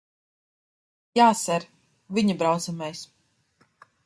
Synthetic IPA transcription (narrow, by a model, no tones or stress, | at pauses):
jaːsɛɾ | vʲiɲibɾawt̪samɛjs